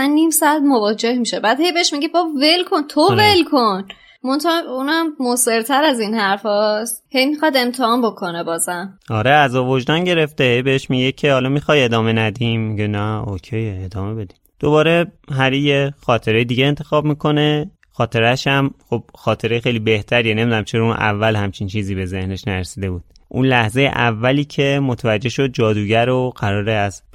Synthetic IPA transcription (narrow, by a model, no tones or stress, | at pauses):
sænnːiːmsɒd̪movɒːd͡ʒehmiʃebæd̪hejbeeʃmiɡebɒbve̞lkʰo̞nt̪ʰovelkʰon | mont̪ʰɒunæmːose̞ɾt̪ʰæɾæzinhæɾfɒːst̪he̞jmixɒd̪e̞mt̪ʰehɒːnbokʰo̞nebɒːzæmɒɾeæzɒːvod͡ʒd̪ɒnɟe̞ɾe̞ft̪ehejbeheʃmiɡɟecʰehɒːlɒmixɒje̞d̪ɒːme̞næd̪immiɟenæocʰejed̪ɒːme̞be̞d̪i̥md̪̥o̞bɒːɾe̞ɦæɾijexɒːt̪ʰe̞ɾejid̪iːɟeːnt̪ʰe̞xɒːb̚miːkʰo̞ne̞ | xɒːt̪ʰe̞ɾæʃæmxob̥̚xɒːt̪ʰe̞ɾejexejlibe̞ht̪ʰæɾijɛnemid̪unæmt͡ʃʰeɾɒunʔæ̰vːælhæmt͡ʃʰint͡ʃʰiːziːbe̞ze̞hne̞ʃnæɾsiːd̪e̞buːd̥̪̚ʔunlæhzejḛʔævːæliːcʰemo̞t̪ʰævæd͡ʒːe̞ʃo̞d̪̚d͡ʒɒːd̪uːɟæɾoɢ̥æɾɒːɾeæz